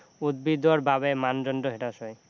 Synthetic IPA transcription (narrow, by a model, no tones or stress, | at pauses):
ud̪̚bid̪oaɾbabemand͡ʑɔnɖoɦeʈaʃɔj